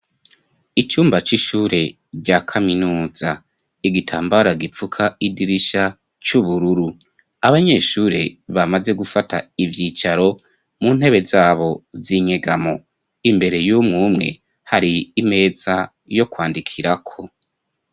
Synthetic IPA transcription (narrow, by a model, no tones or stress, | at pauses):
it͡ʃuːmbat͡ʃiʃuːɾe̞ | ɟaːkʰaminuːza | iɡitʰaːmbaɾaɡip͡fukʰaidiɾiʃa | t͡ʃuβuɾuɾu | aβaɲe̞ʃuːɾeβamaze̞ɡufatʰa̰ivjiːt͡ʃaɾo̞ | mun̥he̞βe̞zaːβo̞ziɲe̞ɡamo̞ | imbe̞ɾe̞jumŋuːmŋe̞̰ | haɾiːme̞ːz̥a | jo̞kwaːndikʰiɾakʰo̞